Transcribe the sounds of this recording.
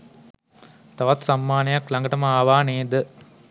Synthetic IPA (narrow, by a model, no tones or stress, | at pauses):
t̪ɐʋɐt̪sɐmːaːnɐjɐklɐŋɡɐʈɐmɐaːʋaːneːd̪ə